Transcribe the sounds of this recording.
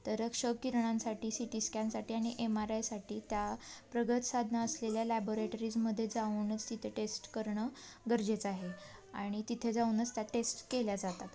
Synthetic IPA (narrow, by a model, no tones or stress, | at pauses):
t̪əɾəkʂəkiɾɳãnsaʈiːsiʈiskansaʈiːaɽ̃iʔemaɾajsaʈiːt̪japɾəɡət̪sad̪ʱnaːsleljalɛboɾeʈəɾid͡zməd̪ʱːjed͡zauːnət͡st̪it̪ʰeʈesʈkəɾɳə | ɡəɾd͡ʑet͡saɦe | aɽ̃it̪it̪ʰed͡zaunət͡st̪jaʈesʈkeljad͡zat̪at̪